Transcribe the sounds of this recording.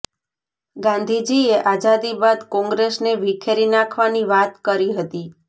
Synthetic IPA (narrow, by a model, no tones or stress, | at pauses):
ɡãnd̪ʱid͡ʒieʔad͡ʒad̪ibad̪kɔ̃ŋɡɾesneʋikʰeɾinakʰʋaniʋat̪kəɾiɦət̪i